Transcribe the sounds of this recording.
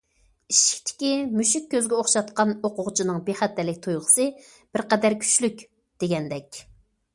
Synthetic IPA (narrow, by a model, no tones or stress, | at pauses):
iʃi̥kʲt̪ʰɪ̥kʲimyʃikʲːøzɡʲɛoχʃɑt̪qɑnoqʊʁt͡ʃʰinɨŋbeχæt̪ːɛlɪkʲt̪ʰojʁə̥sɨ | b̥ɪɾqɛd̪æɾkʲʰy̥t͡ʃlykʲ | d̪̥eɡʲɛnd̪ɛkʲ